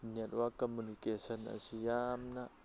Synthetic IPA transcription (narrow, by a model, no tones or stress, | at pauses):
niat̪wakɔmunikesəna̰sijamna